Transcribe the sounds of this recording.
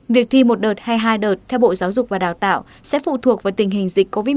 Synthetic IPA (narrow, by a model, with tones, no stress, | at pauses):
vi˨˩ək̚t̪ʰi˧mo˨˩t̚ɗəː˨˩t̚haː˧jɦaː˧jɗəː˨˩t̚t̪ʰɛ˧wɓo̰˧˨zaː˨˦wzʊ˨˩k͡p̚vaː˨˩ɗaː˨˩wt̪a̰ː˧˨w | sɛ̰˧˥fṵ˧˨t̪ʰu˨˩ək̚vaː˨˩˦t̪ï˨˩ŋ̟ɦï˨˩ŋ̟zḭ˧˨˩k̟̚ko˧vi˨˦